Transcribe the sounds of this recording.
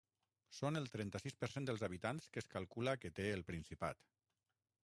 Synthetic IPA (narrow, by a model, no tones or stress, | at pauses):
sonəlˠt̪ɾɛnt̪əsispəɾsend̪əlˠzaβ̞it̪anskəskalˠkuləkət̪eəlˠpɾinsipa̰t̪